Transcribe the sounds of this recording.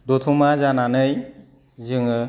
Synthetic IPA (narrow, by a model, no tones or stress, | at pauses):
dot̪ʰumazananɯj | zɯŋɯ